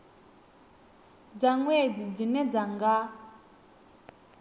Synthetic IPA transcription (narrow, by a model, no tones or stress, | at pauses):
d͡zaŋwɛd͡zid͡zinɛd͡zaŋɡa